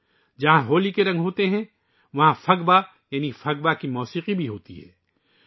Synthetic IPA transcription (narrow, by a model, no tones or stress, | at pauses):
d͡ʒɐɦãɦoːlikeɾɐ̃ŋɡɦoːt̪eɦɛ̃ | ʋɐɦãfɐɡba | jaːnifʰɐɡbakimɔːsiːqibʱiɦoːt̪iɦɛ̰ː